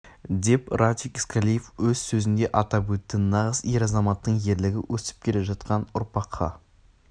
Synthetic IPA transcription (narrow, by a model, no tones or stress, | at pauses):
d̪e̞pɾat̪ʲikiskʰalʲijefwɵz̥sɵzɪnd̪e̞ʔɑt̪ɑpwɵt̪ːɪnɑʁəzje̞ɾɑzɑmɑt̪ːəɴje̞ɾlɪɡʲɪwʔɵsɪ̥p̚kʲʰe̞le̞ʒɑt̪qɑnʊɾpɑqʰːɑ̰